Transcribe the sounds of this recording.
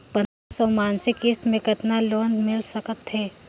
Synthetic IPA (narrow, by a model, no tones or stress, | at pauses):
pɐ | sɔːmaːnsɪkɪst̪mẽkɐt̪naloːnmɪlsəkət̪ɦɛː